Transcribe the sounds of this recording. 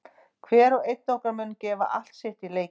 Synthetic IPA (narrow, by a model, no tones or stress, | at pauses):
kʰvɛːɾɔɣejt̪nowkaɾmʏnːcɛːva̰ʔal̥t̪sɪht̪ileːj